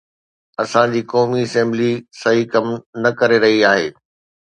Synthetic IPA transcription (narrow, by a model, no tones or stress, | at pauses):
ɐsãd͡ʑiːkɔːmiɐsɛ̃ːmblisɐɦikɐmnɐkɐɾeɾɐɦiaːɦḛː